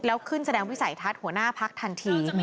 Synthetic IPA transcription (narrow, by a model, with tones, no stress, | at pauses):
lɛː˦˥wkʰɯ˥˩nsa˧dɛː˧ŋwi˦˥sa˩˦jt̪ʰa˦˥t̪̚hu˩˦ənaː˥˩pʰa˦˥k̚t̪ʰa˧nt̪ʰiː˧